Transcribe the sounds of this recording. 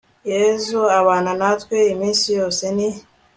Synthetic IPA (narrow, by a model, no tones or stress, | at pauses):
jezuaβaːnanatkʷweimiːsijoseni